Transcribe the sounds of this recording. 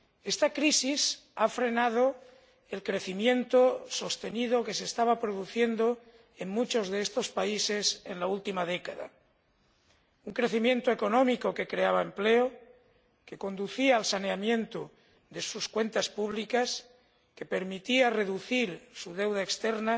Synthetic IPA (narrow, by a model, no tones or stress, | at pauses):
e̞st̪akɾisisafɾe̞nað̞o | e̞lkɾe̞θimjẽ̞nt̪oso̞st̪e̞nið̞o̞ke̞sest̪aβapɾoðuθje̞nd̪o | eŋmut͡ʃo̞zðe̞est̪ospaise̞se̞nlault̪imaðe̞kaða̰ | uŋkɾe̞θimjẽ̞nt̪oe̞ko̞nõ̞miko̞ke̞kɾe̞aβ̞ae̞mpleo | ke̞ko̞nd̪uθiaːlsane̞amjẽ̞nt̪o | ðe̞suskwe̞nt̪aspuβ̞likas | ke̞pe̞ɾmit̪iare̞ðuθiɾsuð̞e̞wðaekst̪eɾna